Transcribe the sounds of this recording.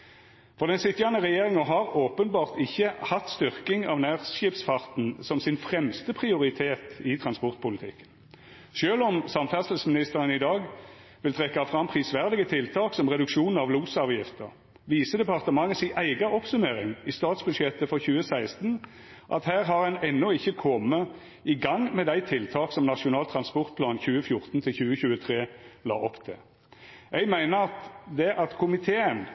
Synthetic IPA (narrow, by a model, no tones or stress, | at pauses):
fɔʁd̪ɛnsɪt̪ːjɑnəʁɛjeːʁɪŋəɦɑʁoːpənbɑːʁt̪ɪçːəhɑt̪st̪ʏʁkɪŋɑ̰ʋnæːʁsɪːpsfɑʁt̪n̩sɔmsɪnfʁɛmst̪əpʰʁɪʊʁɪt̪ʰeːt̪ɪt̪ʰʁɑnspɔʁt̪̚pʰʊlɪt̪ʰɪ̰kːə̥n | ʃøːlɔmsɑmfæsəl̩smɪnɪst̪əʁənɪd̪ɑːɡ | ʋɪlt̪ʰʁɛkːɑfʁɑmpʰʁiːsʋæʁd̪ɪɡət̪ʰɪlt̪ʰɑːksɔmʁɛd̪ʉkʃuːn̩ɑʋluːsɑːʋjɪft̪ə̰ʁ | ʋiːsəd̪ɛpɑʁt̪əmɑŋːəsɪʔæɪɡɑʔɔpsʉmeːʁɪŋɪst̪ɑːt̪sbʉd̪ʃjɛt̪ːəfɔʁçʉːəsæɪst̪n̩ | ʔɑ̰t̪hæːʁɦɑʁɛnɛnːɔɪçːəkʰɔmːə | ɪɡɑŋmɛd̪æɪt̪ʰɪlt̪ʰɑːksɔmnɑʂʊnɑːlt̪ʰʁɑnspɔʁt̪̚pʰlɑːnçʉːəfjʊʁt̪nt̪ʰɪlçʉːəçʉːət̪ʰʁeːlɑ̰ːʔɔpt̪ʰɪ̰ | ɛɪɡmæɪnəʁɑt̪d̪ɛʔɑt̪kʰʊmɪt̪ʰeːən